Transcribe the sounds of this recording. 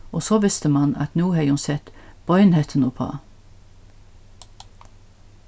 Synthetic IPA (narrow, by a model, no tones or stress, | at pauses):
osoːʋɪst̪əmɑnɑ̰t̪nuːheunsɛt̪b̥ɔʏnhɛt̪ʰn̩upʰɑ̰ː